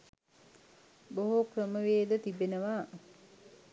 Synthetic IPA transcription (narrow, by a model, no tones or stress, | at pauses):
boɦukrəməʋeːd̪ət̪ibenəʋa